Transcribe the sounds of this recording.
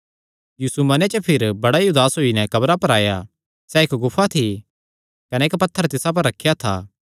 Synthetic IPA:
juːsumɐnet͡ʃəpʰɪɾbɐɽajud̪aːsɦoːinɛkɐbɾapɐɾaːja | sɛekɡʊpʰːat̪ʰi | kɐnɛɪkpɐt̪ʰːəɾt̪ɪsap̬ɐɾːɐkʰːjat̪ʰa̰ː

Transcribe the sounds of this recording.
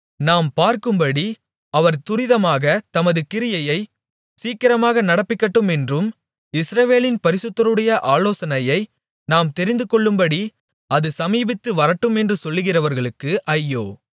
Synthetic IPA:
naːmpaːɾkɯmbɐɽi | ɐʋɐɾt̪ʊɾɪðɐmaːɣɐt̪ɐmɐðɯkɪɾɪjɐjɐɪ | siːkːɪɾɐmaːɣɐnɐɽɐpːɪkːɐʈːɯmɛndrɯm | ɪsɾɐʋeːlɪnpɐɾɪsɯt̪ːɐɾɯɽɐjɐʔaːloːsɐnɐjɐɪ | naːmt̪ɛɾɪnd̪ɯkɔɭːɯmbɐɽi | ɐðɯsɐmiːbɪt̪ːɯʋɐɾɐʈːɯmɛndrɯsɔlːɯɣɪrɐʋɐɾɣɐɭɯkːɯʔɐjːo̰ː

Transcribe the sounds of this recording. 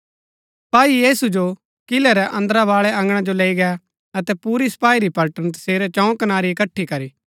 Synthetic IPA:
paːijeːsud͡ʒo | kɪlɛɾɛʔɐ̃nd̪ɾaʋaːɭɛɐ̃ŋɡɽ̃ãd͡ʒoleːiɡɛ | ɐt̪ɛpuːɾisɐ̥paːiɾipɐlʈənt̪̬ɐ̥seːɾɛt͡ʃɐ̃ũkɐnaːɾiɪkɐʈʰːikɐɾiː

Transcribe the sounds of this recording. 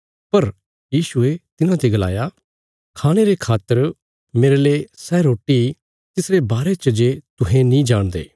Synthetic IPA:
pɐɾ | jiːʃʊet̪ɪnãt̪eɡɐla̰ːja | kʰaːɽ̃eɾekʰaːt̪ːəɾ | meːɾeleːsɛːɾoːʈi | t̪ɪsɾebaːɾet͡ʃəd͡ʒet̪ʊɦẽnĩd͡ʒaːɽ̃d̪ḛː

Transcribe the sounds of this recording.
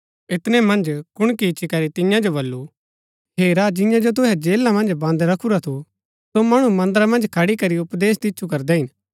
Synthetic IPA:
ɪt̪nemɐ̃nd͡ʒkʊɽ̃kit͡ʃʰikɐɾit̪ɪ̃jãd͡ʒobɐlːu | ɦeːɾad͡ʒɪjãd͡ʒot̪̬ʊɦɛd͡ʒeːlːãmɐ̃nd͡ʒbãːnd̪ɾɐkʰuɾat̪ʰu | somɐɽ̃umɐ̃nd̪əɾamɐ̃nd͡ʒkʰɐɽikɐɾiʊpd̪eːst̪ɪtːt͡ʃʰukɐɾd̪ɛɦɪn

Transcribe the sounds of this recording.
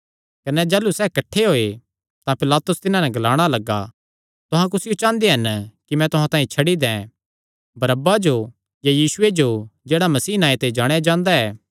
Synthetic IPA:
kɐnɛd͡ʒaːlusɛːkɐʈʰːeɦoːe | t̪ãpɪlaːt̪ʊst̪ɪnãnɛɡɐlaːɽ̃alɐɡa̰ | t̪ʊɦãk̬ʊsɪjot͡ʃãːnd̪eɦɐnkimɛ̃t̪ʊɦãt̪ãːĩt͡ʃʰɐɽid̪ɛ̃ | bɐɾəbːad͡ʒo | jajiːsʊed͡ʒod͡ʒeːɽamɐsiːnaːet̪ed͡ʒaːɽ̃ejad͡ʒãːnd̪aɛː

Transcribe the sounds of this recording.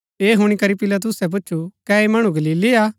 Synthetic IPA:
eːɦʊɽ̃ikɐɾipɪlat̪ʊsɛp̬ʊːʃʰukɛemɐɽ̃ũɡɐliːliaː

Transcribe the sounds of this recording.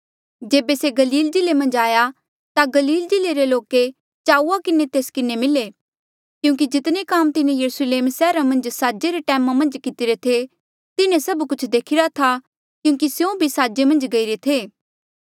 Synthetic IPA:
d͡ʒeːbeseɡɐliːld͡ʒɪlemɐ̃nd͡ʒaːja | t̪aɡɐliːld͡ʒɪleɾeloːke | t͡ʃaːuakɪnet̪eːskɪnemɪle | kjũːŋk̬id͡ʒɪt̪nekaːmt̪ɪnẽjɐɾusleːmsɛːɾamɐ̃nd͡ʒsaːd͡ʒeɾeʈɛːmamɐ̃nd͡ʒkɪt̪ɪɾet̪ʰe | t̪ɪnẽsɐbkʊt͡ʃʰd̪eːkʰɪɾat̪ʰa | kjũːŋk̬isjõbʱisaːd͡ʒemɐ̃nd͡ʒɡɐiɾet̪ʰeː

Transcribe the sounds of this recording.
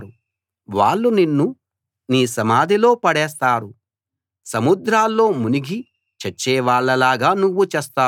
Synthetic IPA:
ɾu | ʋaːɭːuninːu | niːsɐmaːd̪ʱilo̞ːpɐɽɛːs̬t̪aːɾu | sɐmud̪ɾaːlːo̞ːmuniɡi | t͡ʃɛt͡ʃːɛːʋaːɭːɐlaːɡaːnuʋːut͡ʃɛːst̪aː

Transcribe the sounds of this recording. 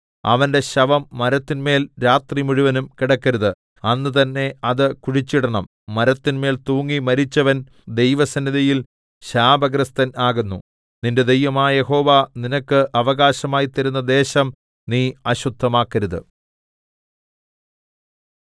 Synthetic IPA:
ɐ̰ʋɐnde̞ɕɐʋɐmːɐɾɐt̪ːinme̞ːlɾaːt̪rimuɻuʋɐnumkiɽɐkːɐɾuðɨ | ɐnːɨt̪ɐnːe̞ɐðɨkuɻit͡ɕːiɽɐɳɐmː | ɐɾɐt̪ːinme̞ːlt̪uːŋːimɐɾit͡ɕːɐʋɐn | d̪e̞jʋɐsɐnːiðɐjil | ɕaːbɐɡɾɐst̪ɐnaːɣunːu | ninde̞d̪ejʋɐmaːje̞ho̞ːʋaninɐkːɨʔɐʋɐɣaːɕɐmaːjit̪ːɐɾunːɐd̪e̞ːɕɐm | niːɐɕud̪ʱːɐmaːkːɐɾuðɨ̰

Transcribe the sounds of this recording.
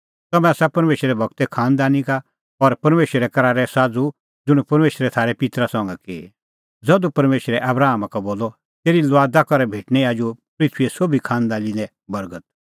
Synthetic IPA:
t̪ɐmɛ̃sapɐɾmeːʃɾɛbʱɐɡ̚t̪ɛkʰaːnd̪aːnika | ɔɾpɐɾmeːʃɾɛkɐɾaːɾɛsaːd͡zu | d͡zʊɽ̃upɐɾmeːʃɾɛt̪ʰaːɾɛpɪt̪ɾasɔ̃ŋɡɛke | d͡zɐd̪upɐɾmeːʃɾɛʔɐbɾaːmakaboːlɔ | t̪eːɾilʋaːd̪akɔɾɛbʱeːʈnɛ̃aːd͡ʒupɾɪt̪ʰʋiɛsoːbʱikʰãːnd̪aːlĩnd̪ɛ̃ | bɐɾɡət̪̚

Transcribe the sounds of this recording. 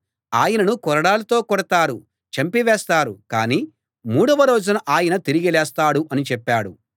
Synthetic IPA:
aːjɐnɐnukɔɾɐɽaːlɐt̪o̞ːkɔɽɐt̪aːɾu | t͡ʃɐmpiʋɛːst̪aːɾukaːniː | muːɽɐʋɐɾo̞ːd͡ʒunɐʔaːjɐnɐt̪iɾiɡilɛːst̪aːɽuʔɐnit͡ʃɛpːaːɽṵ

